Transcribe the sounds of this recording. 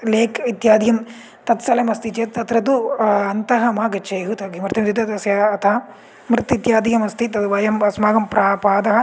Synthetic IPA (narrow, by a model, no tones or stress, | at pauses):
leːkit̪jaːd̪jɐm | t̪ɐt̪sɐlɐmɐst̪it͡ʃeːt̪̚t̪ɐt̪ɾɐt̪uɐnt̪ɐɦɐmaːɡɐt͡ʃʰɐjɦut̪ɐɡimɾɪt̪ɐmd̪it̪ɐt̪ɐsjɐɐt̪ɐɦɐ | mɾɪt̪it̪jaːd̪ijɐmɐst̪it̪ɐt̪ʋɐjɐmɐsmaːɡɐmpɾaːpaːd̪ɐɦɐ